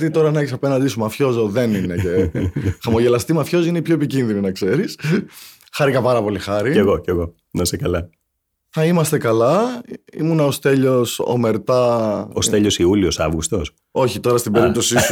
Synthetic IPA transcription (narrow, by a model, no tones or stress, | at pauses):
t̪it̪o̞ɾɐnɐeçisɐpe̞nɐnd̪isumɐfço̞zoðe̞nine̞cexɐmo̞ʝe̞lɐst̪imɐfço̞zoineipço̞epicinðininɐkse̞ɾis | xɐɾikɐpɐɾɐpo̞lixɐɾieɣoceɣo̞ | imɐsekɐlɐ | θɐimɐst̪e̞kɐlɐḭmunɐost̪e̞ʎo̞so̰me̞ɾt̪ɐost̪eʎosiuliosɐ̰vɣust̪o̞s | o̞çit̪o̞ɾɐst̪ibe̞ɾipt̪o̞sis